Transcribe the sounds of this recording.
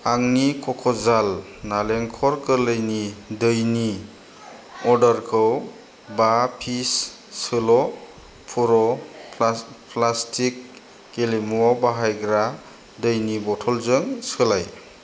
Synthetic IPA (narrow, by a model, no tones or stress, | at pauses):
aŋnikʰɔkʰɔzal | naleŋkʰɔɾkɯɾləjnidɯjni | ɔɾdaɾkʰɯw | bapʰisː | ɯlɔ | pʰuɾɔ | plastʰikː | elemuabaɦajɡɾa | dɯjnibɔtʰɔlzɯŋsɯlaj